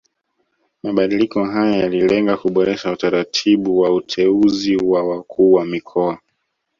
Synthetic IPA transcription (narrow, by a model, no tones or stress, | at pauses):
maɓaɗilikɔɦajajalilɛŋɡakuɓɔɾɛʃautaɾatʰiɓuwautʰɛuziwawakʰuːwamikʰɔa